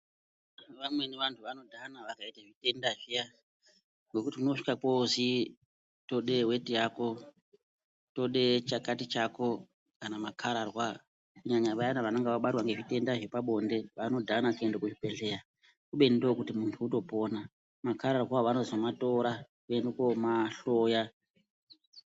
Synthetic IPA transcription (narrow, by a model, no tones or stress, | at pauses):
ʋamwe̞neʋantʰuʋano̞dʱanaʋakaitaʐite̞ndaʐija | ŋɡe̞kutimuno̞ʂi̥kakozi | to̞ɗe̞we̞tijako̞ | to̞ɗe̞t͡ʃakatit͡ʃako̞ | kanamakʰaɾarwa | kuɲaɲaʋajanaʋanoŋɡeʋaɓatwaŋɡe̞ʐite̞ndaʐepaɓo̞nde̞ʋano̞dʱanakue̞ndekuʐipe̞ɬe̞ːɾa | kuɓe̞ndokutimuntʰuːto̞po̞na | makʰaɾarwaʋano̞zomato̞ɾakue̞ndekomaɬoja